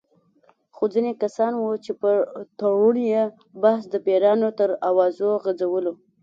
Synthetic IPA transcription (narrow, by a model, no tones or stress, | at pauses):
xod͡zinekasɑnwut͡ʃepət̪awuɳje | bahsd̪əpeɾɑnot̪əɾawɑzoɣad͡zawəlo